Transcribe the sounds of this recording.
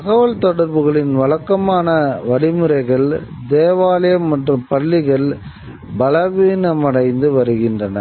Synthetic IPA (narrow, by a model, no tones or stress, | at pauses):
t̪ɐɣɐʋɐɭt̪ɔɽɐɾʋɯɣɐɭɪnʋɐɭɐkːɐmaːnɐʋɐɽɪmɯɾɐɪɣɐɭ | d̪eːʋaːlɐjɐmːɐʈrɯmpɐɭːɪɣɐɭ | bɐlɐʋiːnɐmɐɽɐɪnd̪ɯʋɐɾɯɣɪndrɐnɐ̰